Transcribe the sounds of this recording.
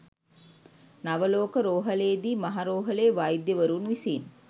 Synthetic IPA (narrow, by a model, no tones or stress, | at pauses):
nɐʋɐloːkəɾoːɦɐleːd̪iːmɐɦaɾoːɦɐleːʋaːjid̪jeʋɐɾuːnʋisiːn